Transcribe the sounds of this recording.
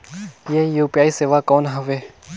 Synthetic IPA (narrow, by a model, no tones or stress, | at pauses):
jeːjuːpijaːiseːʋakɔːnɦəʋeː